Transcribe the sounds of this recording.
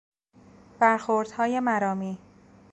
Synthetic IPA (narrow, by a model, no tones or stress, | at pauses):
b̥æɾxoɾd̪̥hɒːje̞mæɾɒːmiː